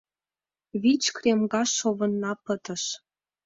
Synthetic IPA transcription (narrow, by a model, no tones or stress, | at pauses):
βit͡ɕkrʲemɡɑʃːoβə̆nːɑpət̪ə̆ʃ